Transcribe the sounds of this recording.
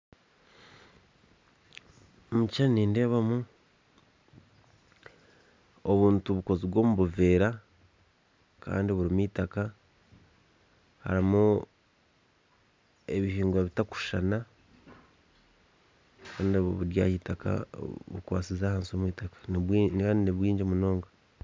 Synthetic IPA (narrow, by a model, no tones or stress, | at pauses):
mucaniːnde̞ːβamu | oβuːntuβuko̞ziβwo̞ːmuβuve̞ːɾa | ka̰ːndiβuɾimwitaka | ha̰ɾimu | e̞βihiːŋɡwaβitaku̥ʃana | kaːndβo̰βuɾja̰ːhitakʰa̰βṵkwa̰ːsizaːhaːnsomwiːtakḁnwinkaːndiniβwiːɲd͡ʒemunoːŋɡa